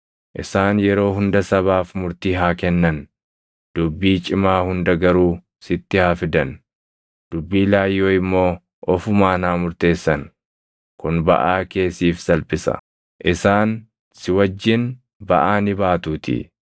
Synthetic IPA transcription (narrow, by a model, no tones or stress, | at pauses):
ʔɪsaːnjɛɾo̞ːɦʊnd̪ɐsɐβaːfmʊɾt̪iːɦaːkɛnːɐn | d̪̥ʊbːiːt͡ʃʼɪmaːhʊnd̪ɐɡɐɾuː | sɪt̪ːɪhaːfɪd̪ɐn | d̪̥ʊbːiːlaːjːoːɪmːo̞ː | ɔfʊmaːnaːmʊɾt̪e̞ːsːɐn | kʊnbɐ̰ʔaːke̞ːsːiːfsɐlpɪsɐ̰ | ʔɪsaːn | sɪwɐd͡ʒːɪn | bɐ̰ʔaːnɪbaːt̪uːt̪ɪ̰